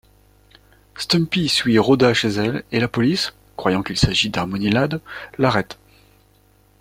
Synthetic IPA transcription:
st̪ɔmpisɥiʁod̪aʃezɛlelapɔlis | kχwajɑ̃kʲilsaʒid̪aʁmɔnilad̪laʁɛt̪

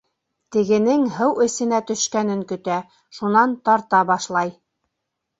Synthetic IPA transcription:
t̪ɘ̆ɡɘ̆nɘŋɦɤwɘ̆sɘ̆næt̪ɵ̆ʃkænɘŋkɵ̆t̪æ | ʃunɑnt̪ɑɾt̪ɑbɑʃlˠɑj

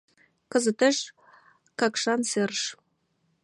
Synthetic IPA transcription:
kə̆zə̆t̪ə̆ʃ | kɑkʃɑnserʃ

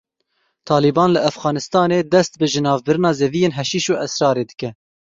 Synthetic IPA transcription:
t̪ʰɑːlibɑːnlɨʔæfɣɑːnɨst̪ɑːneːd̪ɛst̪bɨʒɨnɑːvbɨɾɨnɑːzevijeːnɦɛʃiːʃuːʔɛsɾɑːɾeːd̪ɨkɛ

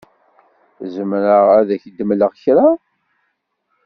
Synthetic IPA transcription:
zəmɾəʁæðæçəd̪əmləʁçɾa

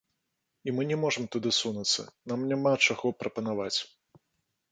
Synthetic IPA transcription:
imɨnʲɛmɔʐɐmt̪ud̪ɨsunɐt̪sːɐ̰namnʲamat͡ʂaɣɔpɾɐpɐnavat͡sʲ

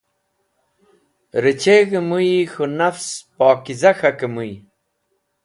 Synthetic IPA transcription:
ɾit͡ɕeɣəmujixunɐfspɔːkizɐxɐkəmuj

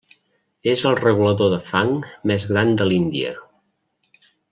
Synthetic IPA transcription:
ezəlˠrəɣuləðoðəfaŋmɛzɣɾand̪əlind̪ḭə̰

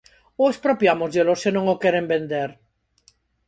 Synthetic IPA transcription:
oespɾopjamozðelosenõŋokeɾembend̪eɾ

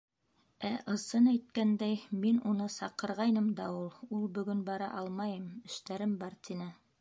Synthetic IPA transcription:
æʔɤ̆sɤnæjt̪̚kænd̪æjminunɤsɑqɤ̆ɾʁɑjnɤmd̪ɑulˠulˠbɵ̆ɡɵnbɑɾɑ̰ʔɑlˠmɑjɤmɘ̆ʃt̪æɾɘmbɑɾt̪ʰʲinɘ

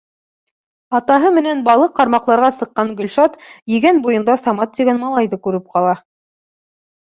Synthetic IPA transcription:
ɑt̪ɑɦɤmɘ̆nænbɑlˠɤqːɑɾmɑqlˠɑɾʁɑsɤ̆qːɑŋɡɵ̆lʲʃɑt̪jɘ̆ɡænbujɤ̆nd̪ɑsɑmɑt̪ːiɡænmɑlˠɑjðɤkʉɾɘp̚qɑlˠɑ

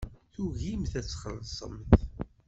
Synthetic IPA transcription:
θuʝimθæt͡sːχəlsˤə̰mθ

